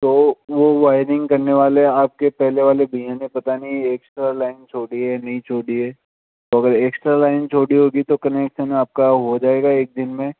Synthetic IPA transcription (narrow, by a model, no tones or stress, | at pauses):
t̪oːʋoʋaːɪɾɪ̃ŋɡkɐɾneʋaːleaːp̚kepɛɦleʋaːlebʱɐjãnẽpɐt̪anɐɦĩeːksʈɾalaːɪnt͡ʃʰoːɽiɦɛnɐɦĩt͡ʃʰoːɽiɦɛː | t̪oɐɡəɾeːksʈɾalaːɪnt͡ʃʰoːɽiɦoːɡit̪okɐneːkʃənaːp̚kaɦod͡ʒaːeːɡaeːk̚d̪ɪnmẽ